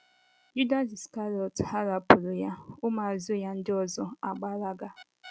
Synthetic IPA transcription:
ju˦da˦si˨ska˦ɾi˨ɔ˨tha˦ɾa˨pʊ˨ɾʊ˨ja˦ʊ˦ma˨a˨zʊ˦ja˦n̩˦dɪ˦ɔ˦zɔ˦a˨ɡ͡ba˦ɾa˦ɡa˦

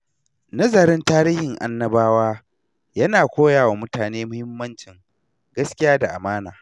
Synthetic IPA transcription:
nɐ˦zɐ˨ɾɪ˦ntaː˦ɾiː˦hɪ˨ŋʔa̰˦nːɐ˦baː˦waː˦ | jɐ˦naː˨kʷoː˦jaː˨wa˨mʊ˦taː˨neː˦mʊ˦hɪ˦mːɐ˦nt͡ʃɪ˨ŋ | ɡɐ˦skʲɪ˦jaː˦da˨ʔa˨maː˦naː˨

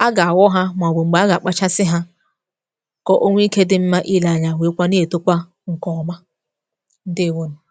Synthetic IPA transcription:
a˦ɡa˨a˨wɔ˦ɦa˦mʷ˨a˨be˨ŋ͡m̩˨ɡ͡ba˨˦a˦ɡa˨k͡pa˦t͡ʃa˦sɪ˦ɦa˦ | kɔ˦ʔo˦ŋʷ˦i˦ke˦dɪ˦m̩˦ma˦ʔi˦la˨ɲa˨we˨˦kʷa˦ne˦e˨tʊ˦kʷa˦ | ŋ̩˨kɔ˨ma˦ | n̩˦de˦e˨wo˦no˨

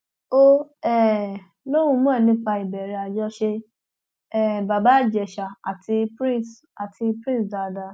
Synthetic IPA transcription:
o˦ɛ˦˨ | lo˦w̃ũ˧˦mũ˦ɛ̃˦˨nĩ˧˦k͡pa˧i˨bɛ˨ɾɛ˧a˧d͡ʒɔ˧˦ʃe˧ | ɛ˨ba˨ba˦˨d͡ʒɛ˨ʃa˨a˨tʰi˧pɾĩ˦˨s | a˨ti˧pɾĩ˦˨sda˧da˧˨

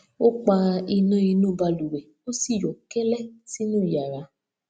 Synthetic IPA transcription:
o˦k͡pa˧i˧nã˧˦i˧nũ˦˨ba˧lu˨wɛ˨ | o˦si˦˨jɔ˨kɛ˦lɛ˦˨si˦nũː˦i˨ja˨ɾa˨˧˦

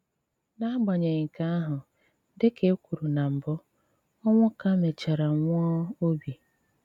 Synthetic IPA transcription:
na˦ɡ͡bɔ˨ɲe˨ŋ̩˨ka˦a˦ɦʊ˨ | dɪ˦ke˨˦kʷu˨ɾu˨na˨m̩˨bʊ˦ | ɔ˦ŋʷʊ˦ka˦me˨t͡ʃa˨ɾa˨ŋʷɔ˦o˦bi˨

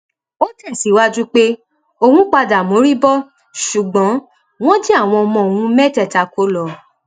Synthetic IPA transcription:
o˦tɛ˦˨si˨˦wa˧d͡ʒu˦k͡pe˦ | o˧hũ˦k͡pa˧da˨mõ˨˦ɾi˦bɔ˦ | ʃu˨ɡ͡bɔ̃˨˦ | w̃ɔ̃˦d͡ʒi˦a˦˨w̃ɔ̃˧ɔ˧mɔ̃˧o˨wũ˧˦mɛ˦tɛ˦˨ta˨˧ko˦lɔ˧˨

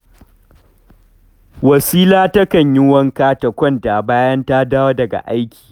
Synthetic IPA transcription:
wɐ˨siː˦laː˦tɐ˦kɐ˨ɲjɪ˦wɐ˦ŋkaː˦tɐ˨kʷɔ˦˨ntaː˨baː˦jɐ˦ntaː˦daː˦wa˦dɐ˨ɡa̰˨ʔa˦jkʲi̥ː˨

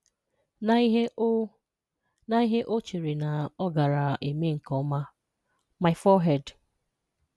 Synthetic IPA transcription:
na˨˦i˦ɦe˦ | na˦i˦ɦe˦ʔo˦t͡ʃe˨ɾi˨na˨ɔ˦ɡa˨ɾa˨ʔe˨me˦ŋ̩˨kɔ˦ma˦ | ma˨ɪ˨fɔ˦ɦɛ˦˨d

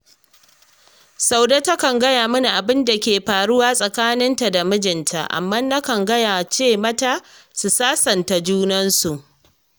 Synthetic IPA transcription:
sa˦wdaː˦ta˦kɐ˨ŋɡɐ˦jaː˨mʊ˦ni˨ʔa˨bɪ˦nda˨kʲeː˨ɸaː˨ɽʊ˦waː˦sʼɐ˨kaː˦nɪ˦nta˨da˨mʊ˦d͡ʒɪ˨ntʰa̰˨ʔa̰˨mːaː˦na˦kɐ˨ŋɡɐ˦jaː˨t͡ʃeː˦˨mɐ˦taː˦su˨saː˦sɐ˨nta˨d͡ʒuː˦nɐ˦nsu˨ʔ

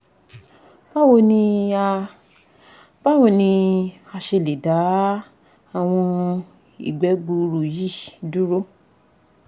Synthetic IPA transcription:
ba˦wo˧nĩ˧a˧ | b̥a˦wɔ̃˧˨nĩ˧a˧ʃe˧˨le˨da˨˦ | a˦˨w̃ɔ̃˧ | ḭ˨ɡ͡bɛ˨˦ɡ͡bu˧ɾu˨ji˦˨du˦ɾo˦

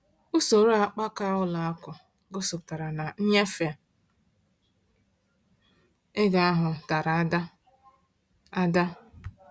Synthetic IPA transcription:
ʊ˦so˨ɾo˦a˨k͡pa˦ka˦ʊ˦la˨a˦kʷʊ˨ | ɡo˦so˨pta˨ɾa˨na˨n̩˦ɲe˦fe˨ | e˦ɡa˨a˦ɦʊ˨ta˨ɾa˨˦da˦ | a˦da˦

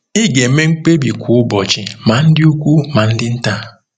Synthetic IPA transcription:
ɪ˦ɡe˨˦me˦ŋ͡m̩˦k͡pe˦bi˨kʷu˨ʊ˦bɔ˨t͡ʃɪ˨ma˨n̩˦dɪ˦u˦kʷu˦ma˨n̩˦dɪ˦n̩˦ta˦

